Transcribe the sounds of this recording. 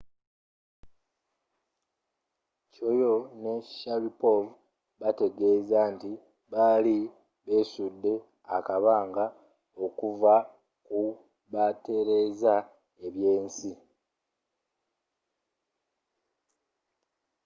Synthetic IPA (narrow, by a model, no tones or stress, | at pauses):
co̞jo̞ne̞ʃalipov | βate̞ɡe̞ːzanti | βali | βe̞ːsudːe̞ | akaβaːŋɡa | o̞kuva | ku | βate̞ɾe̞ːza | e̞βje̞ːnsi